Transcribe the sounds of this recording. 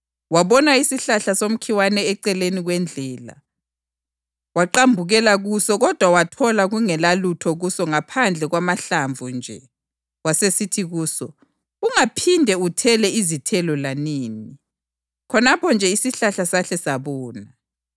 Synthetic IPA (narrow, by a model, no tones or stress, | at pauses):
waβɔnaisiɬaɬasom̩kʰiwanɛːǀɛleniɣwɛnd͡ɮʱɛːla̰ | waǃambʱuɣɛlaɣusɔɣɔd̥ʱwawatʰɔlaɣuŋɛlalutʰɔɣusɔŋapʰand͡ɮʱɛɣwamaɬaɱvʱund͡ʒʱɛ | wasesitʰiɣuːsɔ | uŋapʰindʱɛutʰɛlɛizitʰɛlɔlaniːni | kʰɔnapʰɔnd͡ʒʱɛisiɬaɬasaɬɛsaβɔːna